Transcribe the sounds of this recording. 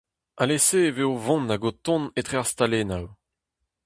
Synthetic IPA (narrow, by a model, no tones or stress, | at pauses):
aleseːveovɔ̃naɡot̪ɔ̃net̪χeaʁst̪alenaw